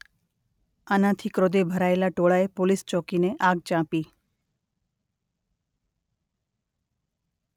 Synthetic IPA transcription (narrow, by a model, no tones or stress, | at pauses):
anãt̪ʰikɾod̪ebʱəɾaelaʈoɭaepolist͡ʃɔkineʔaɡ̚t͡ʃãpi